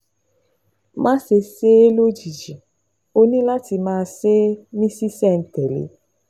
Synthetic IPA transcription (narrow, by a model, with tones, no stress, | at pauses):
ma˦se˨se˦lo˦d͡ʒi˨d͡ʒi˨ | o˦nĩ˦la˦ti˨mãː˦˨se˦mĩ˦si˦sɛ˦˨n̩˨te˨lḛ˨˦